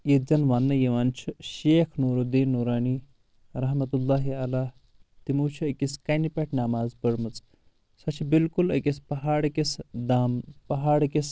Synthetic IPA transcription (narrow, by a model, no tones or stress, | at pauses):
jed͡ʒɐnʋanːɐjiʋaːnt͡ʃʰiʃeːkʰnuːɾud̪iːnnːuːɾaːni | ɾɐɦmɐt̪ulːaːɦialaː | t̪imuːt͡ʃʰuɐkʲiskanipʲeʈʰnamaːzpəɾmɨt͡s | sɐt͡ʃʰibilkulɐ̰kʲispɐɦaːɽɐkesd̪aːmpɐɦaːɽkes